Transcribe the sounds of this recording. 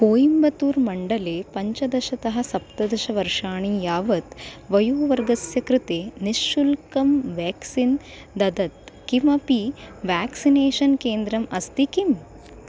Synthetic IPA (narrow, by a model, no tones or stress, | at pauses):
koːjimbɐt̪uːɾmɐɳɖɐleːpɐɲt͡ʃɐd̪ɐʃɐt̪ɐɦɐ̆sɐp̚t̪ɐd̪ɐʃɐʋɐɾʂaːɳiːjaːʋɐt̪ʋɐjuːʋɐɾɡɐsjɐkɾɪt̪eːniʃːulkɐmʋaːksin | d̪ɐd̪ɐt̪kimɐpiʋaːksineːʃɐnkeːnd̪ɾɐmɐst̪ikim